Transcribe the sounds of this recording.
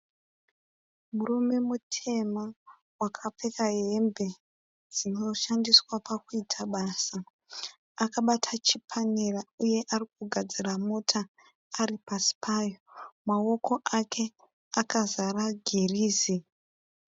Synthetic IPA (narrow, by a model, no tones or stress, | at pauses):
murume̞mutʰe̞ma | wakʰap͡fe̞kaɦe̞mbe̞ | d͡zino̞ʃandiswapakuitʰaɓaːsa | akaɓatʰat͡ʃipʰanerauje̞ʔarik̚uɡʱad͡ziramotʰaː | ripasi̥pʰaːjo̞mawo̞ko̞ʔakʰe̞ | akazaraɡʱeriːzi